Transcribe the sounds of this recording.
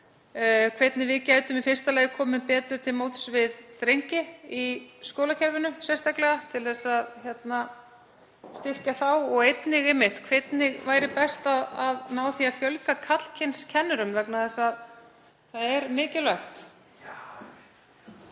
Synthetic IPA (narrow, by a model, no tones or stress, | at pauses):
kʰvejt̪nɪvɪðcaːjt̪ʏmifɪnst̪alɛːjkʰɔːmɪmpɛːt̪ʏɾ̥t̪ʰɪlmoːwt̪svɪðt̪ɾejɲcɪiskowlacʰɛɾvɪnʏsjɛst̪aklɛɣat̪ʰɪlθɛsːaðçjɛt̪na | st̪ɪr̥caθawɔɣejt̪nɪɣɪmːɪht̪kʰvet̪nɪɣvaːjɾɪpɛst̪aaðnaːwθiafjœlkakʰat̪l̥cʰenscʰɛnːʏɾʏmvɛknaθɛsːað | θaðɛɾmɪːcɪlaxt̪